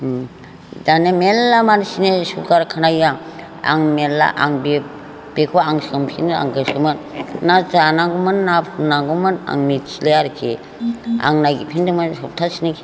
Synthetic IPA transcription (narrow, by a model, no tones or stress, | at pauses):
danemelːamansinesukaɾkʰanajaŋ | a̰ŋmelːa̰ʔaŋbe | b̥ekʰoaŋsɯmpʰina̰ŋkɯsɯmɯnːazanaɡumɯnːapʰunːaɡumana̰ŋnit͡ʃʰilejaɾkʰe | a̰ŋnajɡipʰindɯmansɔp̚tʰasinekʰi̥